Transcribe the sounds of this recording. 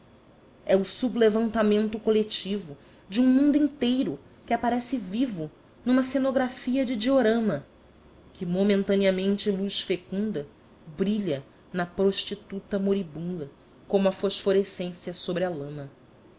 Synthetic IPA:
ɛʊsublevɐ̃nt̪amẽnt̪ʊkolet͡ʃivʊ | d͡ʒɪũmũnd̪uĩnt̪ejɾʊ | kɪapaɾɛsɪvivʊ | nũmɐsenoɡɾafiɐd͡ʒɪd͡ʒioɾɐ̃mɐ | kɪmomẽnt̪ɐ̃niɐmẽnt͡ʃɪluʃfekũnd̪ɐ | bɾiʎɐ | nɐpɾoʃt͡ʃit̪ut̪ɐmoɾibũlɐ | kõmʊɐfoʃfoɾesẽsjɐsobɾɪɐlɐ̃mɐ

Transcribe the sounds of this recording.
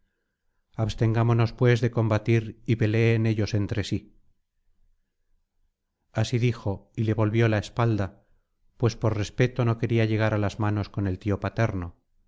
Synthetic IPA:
aβst̪e̞ŋɡamo̞no̞spwe̞zðe̞ko̞mbat̪iɾiβe̞le̞ːne̞ʎo̞se̞nt̪ɾe̞si | asiðixo̞ile̞βo̞lβjo̞laespald̪a | pwe̞spo̞ɾre̞spe̞t̪o̞no̞ke̞ɾiaʎe̞ɣ̞aɾalazmano̞sko̞ne̞lt̪io̞pat̪e̞ɾno̞

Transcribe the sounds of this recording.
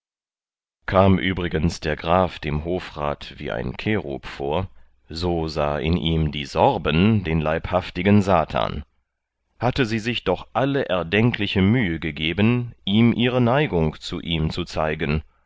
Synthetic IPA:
kʰaːmʔyːbʁɪɡənsd̥eːɐɡʁaːfd̥eːmɦoːfʁa̰ːtv̥ḭːʔa̰ɪnkʰeːʁo̰pfoːɐ | zoːzaːʔɪnʔiːmdiːzɔʁbəndeːnlaɪphaftɪɡənzaːtʰa̰ːn | hatəziːzɪçd̥ɔχʔaləʔɛɐdɛŋklɪçəmyːəɡəɡeːbənʔiːmʔiːʁənaɪɡʊŋt͡sṵʔiːmt͡sut͡saɪɡən

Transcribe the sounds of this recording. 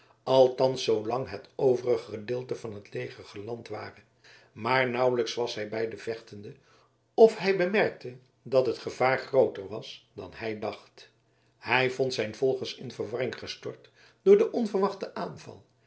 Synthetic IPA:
ɑlˠtɑnsowlɑŋɦətowvərəχəχədɪːlˠtəvɑnɦətlejχərχəlɑntʋaːrə | maːɹnʌwləksʋɑsɦɛjbɛjdəv̥ɛχtəndə | ɔfɦɛjbəmɛɹk̚tə | dɑtɦətχəv̥aːɹχrowtəɹʋɑsd̥ɑ̰nɦɛjdɑχt | hɛjvɔntsɛjnv̥ɔlˠχəsɪnvəɹʋɑrɪŋχəstɔɹt | d̥ʊːɹdəʔɔnvəɹʋɑχtəʔaːnvɑ̰lˠ

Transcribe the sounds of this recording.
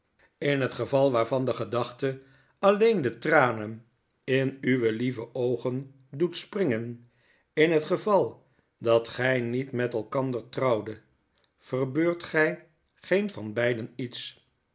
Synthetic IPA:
ɪnɦətχəvɑlˠʋaːɹvɑndəχədɑχtə | ɑlejndətraːnən | ɪnyʋəlivəʔowχən | dutsprɪŋən | ɪnɦətχəvɑlˠ | dɑtχɛjnitmɛtɛlˠkɑndəɹtrɑwdə | v̥ərbøːɹtχɛj | χejnvɑnbɛjdənits

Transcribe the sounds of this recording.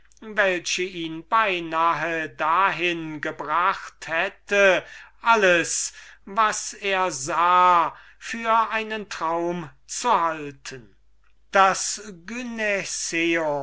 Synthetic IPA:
vɛlʃəiːnbaɪnaːɦədaɦɪnɡəbʁaχthɛtəʔaləsvaseːɐzaː | fyːɐʔaɪnəntʁ̥aʊmt͡suhaltʰən | d̥asɡynɛseo

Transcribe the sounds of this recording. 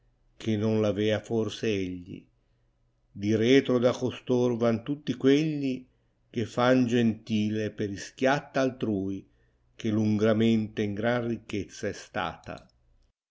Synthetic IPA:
kʰenːonlavɛːaforseeʎːḭ | d̪iɾɛːt̪ɾod̪akost̪orvant̪ut̪ːikweʎːi | kefːand͡ʒent̪iːlepeɾisk̟jat̪ːaːlt̪ɾuːj | k̟eluŋɡɾament̪eiŋɡɾanrikːet̪sːaɛst̪a̰ːt̪a̰

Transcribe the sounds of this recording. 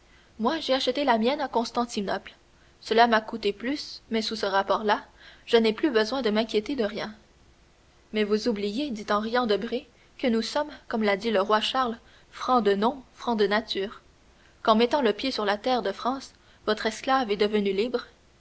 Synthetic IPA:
mwaʒeaʃət̪elamjɛnakɔ̃st̪ɑ̃t̪inɔpl | səlamakut̪eplysmɛsusəʁapɔːʁlaʒ̥ənɛplybəzwɛ̃d̪əmɛ̃kʲjet̪ed̪əʁjɛ̃ | mɛvuzublijed̪it̪ɑ̃ʁijɑ̃d̪əbʁi | kənusɔmkɔmlad̪iləʁwaʃaʁl | fχɑ̃d̪ənɔ̃fχɑ̃d̪ənat̪yːʁ | kɑ̃mɛt̪ɑ̃ləpjesyʁlat̪ɛːʁd̪əfχɑ̃ːs | vɔt̪χɛsklavɛd̪əvənylibʁ

